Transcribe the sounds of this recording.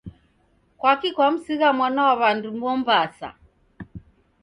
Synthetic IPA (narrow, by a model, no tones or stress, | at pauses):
kwakikwam̩siɣamwanawaβandumbɔmbasa̰